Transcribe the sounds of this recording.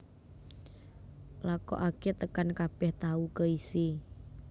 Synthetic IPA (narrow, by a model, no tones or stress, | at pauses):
lakɔ̰ʔaket̪əkankab̥ɛht̪aukəisi